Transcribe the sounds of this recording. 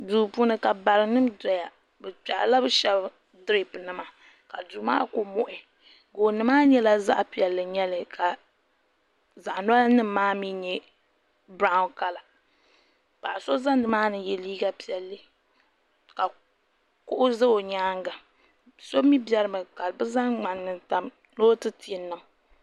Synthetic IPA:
duː˨pu˦nɨ˨ka˨ba˨ɾɨ˨nɨ˦mdɾa˨ja˨ | bɛ˨t͡ʃa˨ʔla˦bɨ˦ʃɛ˦b | dɾe˦pɨ˨nɨ˨ma˨ | ka˨du˨˦ma̰ː˦ko˨mo˦˨ʔɪ˨ | ɡoː˨nɨ˨maː˦ɲɛ˦la˦za̰˦ʔpi˨ɛ˨lːɨ˨ɲɛ˦lɨ˨ka˨ | za˨ʔna˦nɨ˦mː˦aː˦mi˦ɲɛ˦ | bɾa˦ʊ˦nka˦la˨ | pa˨ʔa˨so˦za˦ndɨ˦maː˦nɨ˦jɛ˨liː˦ɡa˦pi˨˦ɛ˨lːɨ˦ | ka˨ | kʊ˦ʔʊ˦zɨ˦o˨ɲaː˦ŋɡa˨ | so˦mi˦bɛ˦ɾɨ˦mɨ˨ka˨bɨ˦za˦ŋŋ͡ma˨nːɨ˨nta˨m | noː˦tɨ˦ti˨nːɨ˨ŋ

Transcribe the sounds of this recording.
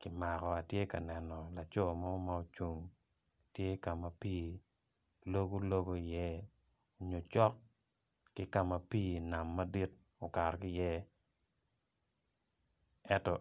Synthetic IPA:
kɪ˨ma˨kɔ˨a˨tje˦ka̰˨nɛ˨nɔ˨la˨t͡ʃo˦˨mɔ˦ma˦o˦˨t͡ʃu˦ŋ | tje˦ka˨ma˨piː˦ | lo˦ɡo˦lo˦ɡo˦i˨jɛ˦ | o˨ɲo˨t͡ʃɔ˦k̚ | kɪ˦ka˨ma˨piː˦na˨mːa˦di˦t | o˨ka˨ɾkɪ˦jɛ˦ | ɛ˦ntɔ˨

